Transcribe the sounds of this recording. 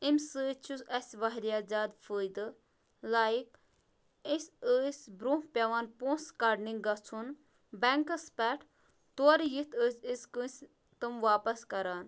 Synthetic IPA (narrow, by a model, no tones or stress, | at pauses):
imsɨt͡ʃʰusɐsʲʋɐɦɾiaːzaːd̪fəjd̪ɨ | laːjik | isʲəsʲbɾũhpʲɐʋaːnpũːskaɖniŋɡɐt͡sʰun | bɛŋkɐspɛʈʰ | t̪oɾjit̪ʰəsʲiskɨsʲ | t̪ɨmʋaːpɐskɐɾaːn